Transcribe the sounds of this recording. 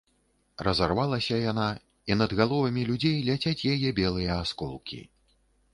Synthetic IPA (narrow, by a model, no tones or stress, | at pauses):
rɐzarvalˠɐsʲɐjana | in̪ɐd̪ɣalˠɔvɐmʲilʲud͡zʲejlʲat͡sʲat͡sʲjajɛbʲɛlˠɨjɐːskɔlˠkʲḭ